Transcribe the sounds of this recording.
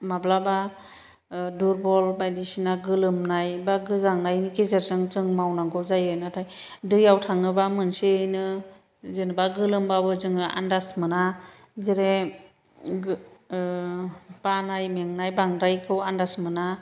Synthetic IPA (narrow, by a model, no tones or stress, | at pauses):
mablaba | duɾbɔlbajdisinaɡɯlɯmnajbaɡɯzaŋnajnikezeɾzɯŋzɯŋmawnaŋɡɔzajɯnatʰaj | dɯjawtʰaŋɯbamɯnsenɯ | zenɯbaɡɯlɯmbabɯzɯŋɯʔa̰ndasmɯna | zeɾe | b̥anajmeŋnajbaŋdajkʰɯwandasmɯna